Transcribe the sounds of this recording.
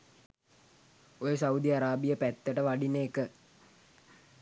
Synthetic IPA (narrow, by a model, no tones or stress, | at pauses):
ojəsaud̪iaɾaːbijəpæt̪ːəʈəʋaɖinəːkə